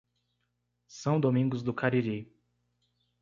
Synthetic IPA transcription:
sɐ̃w̃d̪omĩŋɡʊzd̪ʊkaɾiɾi

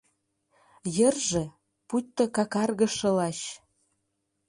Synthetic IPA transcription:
jə̆rʒĕ | put̪ːɤ̆kɑkɑrɣɤ̆ʃɤ̆lɑɕ

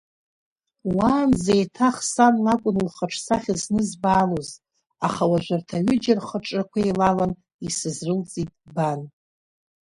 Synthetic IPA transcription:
waːnzejtʰaχsanlakʷʼʊnɨlχəʈ͡ʂʰsaχʲiznɨzbaːloz | aχawaʒʷartʰaɥʏd͡ʒarχəʈ͡ʂʼakʷʰaejlalan | isɨzrɨlt͡sʼitʼban

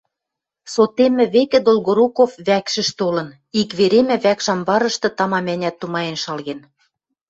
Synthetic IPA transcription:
sot̪emɘ̆βekɘ̆d̪olɣoɾukofβækʃɘ̆ʃt̪olɤ̆n | ikβeɾemɘ̆βækʃɑmbɑɾɤ̆ʃt̪ɤ̆t̪ɑmɑmænʲæt̪ːumɑjenʃɑlɣen

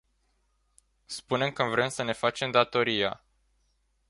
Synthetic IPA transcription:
spune̞mkənvɾemsəne̞fat͡ʃe̞md̪at̪o̞ɾija̰

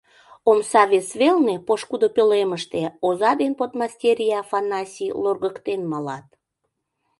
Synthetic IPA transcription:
omsɑβesβelnepoʃkud̪opøleməʃt̪eozɑd̪enpot̪mɑstʲeɾʲijɑfɑnɑsʲilorɣəkt̪enmɑlɑt̪̚

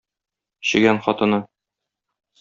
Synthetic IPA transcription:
ɕɘ̆ɡænχɒt̪ɤ̆nɤ

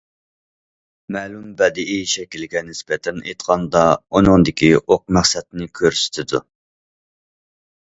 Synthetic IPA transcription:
mɛlumbɛd̪ɪʔiʃɛkʲilɡʲɛnɪsbɛt̪ʰɛnḛjt̪qʰɑnd̪ɑunɨŋd̪ɪkʲʰiʔoq̚mæχsɛt̪̚nɪkʲʰøɾsɪ̥t̪ʰɪd̪u

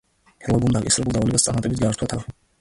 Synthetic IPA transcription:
pʰɛɾlˠaɡumd̪akʼḭsɾɛbulˠd̪avɔlɛɡʼast̪sʼanmat̪ʼɛbit̪ɡaɾt̪ʰwat̪ʰaɾ

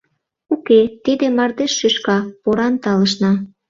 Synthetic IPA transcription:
uket̪id̪emɑrd̪eʃːyʃkɑpoɾɑnt̪ɑləʃ̬nɑ

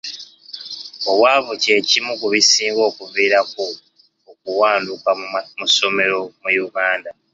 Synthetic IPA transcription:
owaːβuce̞ːcimuɡuβisiːŋɡo̞ːkuviːɾako | okuwaːndukamuso̞me̞ɾo̞mujuɡaːnda

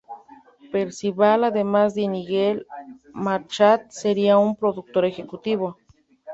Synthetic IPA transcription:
peɾsiβalaðemazd̪eniɣelmaɾt͡ʃat̪̚seɾiaumpɾoðuk̚t̪oɾexekut̪iβo

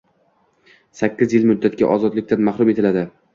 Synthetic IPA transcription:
sakʲːɪzjɪlmʊd̪ːat̪ɡʲa̰ʔɒzɒd̪lɪk̚ʲt̪ʰanmahɾʊme̞t̪ʰɪlad̪ɪ

